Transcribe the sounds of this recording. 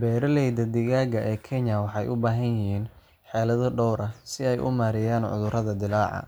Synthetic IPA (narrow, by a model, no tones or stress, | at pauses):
bɛːɾɐlɛjd̪ɐd̪ɪɣaːɣɐʔɛːkʰɛɲɐwɑħɑjʔʊbaːɦɐnjɪɦiːn | ħɛːlɐðɔɖɔwɾɐsɪɛjʔʊ̰maːɾɪjaːnʕʊ̰ðʊrɾɐðɐd̪ɪlaːʕɑ̰